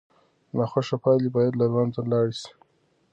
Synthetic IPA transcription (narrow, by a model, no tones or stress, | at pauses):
naxaʃapɑlibɑjad̪lalwanzalɑɽʃi̥